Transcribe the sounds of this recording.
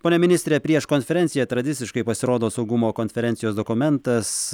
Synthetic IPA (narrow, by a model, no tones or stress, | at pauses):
poːnʲɛmʲɪnʲɪsʲt̪ʲɾʲeːpʲɾʲiɛʃkoːnʲfʲɛɾʲɛnʲt̪sʲɪjɛt̪ɾɐd̪ʲɪt̪sʲɪʃkɐɪpɐsʲɪɾoːd̪oːsɐʊɡʊmoːkoːnʲfʲɛɾʲɛnʲt̪sʲɪjoːsd̪oːkʊmʲɛnt̪ɐs